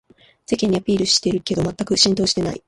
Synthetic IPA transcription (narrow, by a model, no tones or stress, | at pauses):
se̞kẽ̞ɲ̟ːiapʲiːɾɯ̟ɕi̥t̪e̞ɾɯ̟ke̞d̪o̞mat̪ːakɯ̟ɕĩnt̪o̞ːɕi̥t̪e̞na̰ḭ